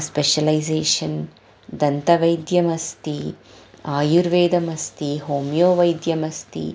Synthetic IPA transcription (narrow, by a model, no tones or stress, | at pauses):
speʃɐlɐjzeːʂɐn | d̪ɐnt̪ɐʋɐjd̪jɐmɐst̪i | aːjuɾʋeːd̪ɐmɐst̪iɦoːmjoːʋɐjd̪jɐmɐst̪ḭ